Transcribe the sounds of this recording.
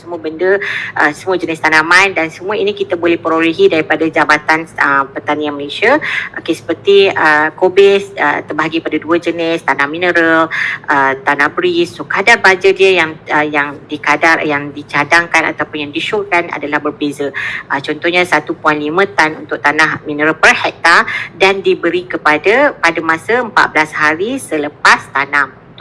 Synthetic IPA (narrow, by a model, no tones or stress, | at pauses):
səmuəbəndəʔəsəmuəd͡ʒənɪst̪anahmãjndansəmũainĩkit̪abolɛhpəɾoɾiɦidaɾipadad͡ʒabat̪anəpərt̪anianməlesiaʔo̰kesə̥pərt̪iəkobɛsə̰t̪ərbaɦaɡipadaduəd͡ʒənɪst̪anahminəɾəlʔət̪anahbɾissokadarbad͡ʒədiəjaŋəjaŋdikadarjaŋdit͡ʃadaŋkana̰t̪awpʊnjaŋdiʃolkana̰dalahbərbezəʔət͡ʃɔnt̪ɔhɲãsat̪upuanlimə̃t̪anunt̪ʊk̚t̪anahmĩnəɾəlpərhɛk̚t̪adandibəɾikəpadapadamãsəəmpa̰t̪ʔ̪̚bəlashaɾisələpast̪anam